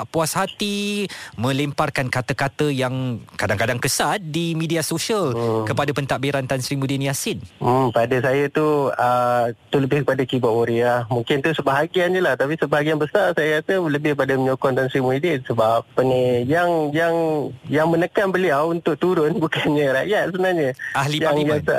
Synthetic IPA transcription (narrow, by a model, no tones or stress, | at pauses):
aʔpuashat̪imə̃lemparkankat̪əkat̪əjaŋkadaŋkadaŋkəsat̪̚dimĩdiasoʃalkəpadapənt̪aʔbiɾant̪ansɾimudiniasɪnəpadasajat̪uət̪uləbɪhkəpadakibaʔoɾeamũŋkɪnt̪usəbaɦaɡianɲəlaht̪apisəbaɦaɡianbəsarsajat̪uləbɪhpadaməɲokɔnt̪ansɾimuidisəbap̚ənijaŋjaŋjaŋmənəkanbəliawunt̪ʊk̚t̪uɾʊnbukanɲəɾa̰ʔjat̪̚səbənahɲəʔahlijaaŋijas